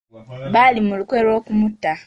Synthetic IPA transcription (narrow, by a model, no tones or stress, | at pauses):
βaːlimulukweɾo̞kumutːa